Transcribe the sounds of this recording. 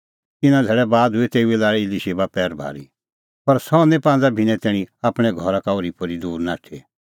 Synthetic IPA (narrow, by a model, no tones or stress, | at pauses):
t̪ɪnãd̪ʱɛːɭɛbaːd̪ɦʊɛt̪eːuelaːɭɛɪliʃeːbapɛːɾbʱa̰ːɾḭ | pɐɾsɔ̃ːnɛ̃pãːnd͡zabʱɪñɛ̃t̪ɛ̃ːĩaːpɽ̃ɛɡʱɔɾakaoɾipʰɔɾid̪uːɾnaːʈʰe